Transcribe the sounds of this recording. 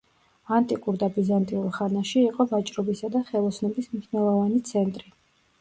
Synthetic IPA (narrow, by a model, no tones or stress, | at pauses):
ant̪ʼikʼuɾd̪abizant̪ʼiulˠχanaʃiːqʼɔvat͡ʃʼɾɔbisad̪aχɛlˠɔsʰnɔbismniʃnɛlˠɔvanit̪sʰɛnt̪ʼɾi